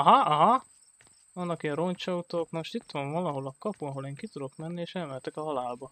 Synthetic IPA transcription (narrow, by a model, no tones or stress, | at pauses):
ɒɦɒɒɦɒ | ʋɒnːɒkiɛnront͡ʃɒut̪oknoʃt̪it̪ʋɒɱvɒlɒɦo̞lɒkɒpuɒɦo̞leːŋkit̪ud̪o̞kmɛnːieːʃɛlmɛlt̪ɛkɒɦɒlaːlbɒ